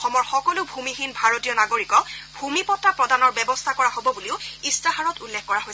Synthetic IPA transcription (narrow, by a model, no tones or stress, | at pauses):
xɔmɔɹxɔkɔlʊbʱumixinbʱaɹotijɔnaɡoɹikɔbʱumipɔtːapɹɔdanɔɹbɛbɔst̪ʰakɔɹaɦobɔbuliʊistaɦaɹɔtulːɛxkɔɹaɦoj